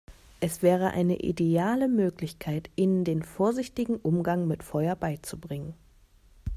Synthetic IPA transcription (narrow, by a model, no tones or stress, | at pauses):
ʔɛsv̥ɛːʁ̞əʔa̰ɪnə̰ʔḭdeaːləmøːklɪçkʰaɪtʔindeːnfoːɐzɪçtɪɡŋ̩ʔʊmɡaŋmɪtfɔʏɐbaɪt͡subʁɪŋən